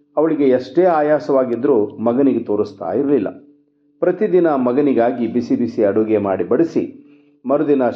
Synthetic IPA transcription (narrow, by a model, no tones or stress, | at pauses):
ɐʋɐɭiɡe̞ɐʂʈeːaːjaːsɐʋaːɡid̪ɾuːmɐɡɐniɡet̪oːɾust̪a̰ːjiɾɐlilːɐ̰ | pɾɐt̪id̪inɐmɐɡɐniɡaːɡibisibisiɐɽuːɡemaːɽibɐɽisḭ | mɐɾud̪inɐ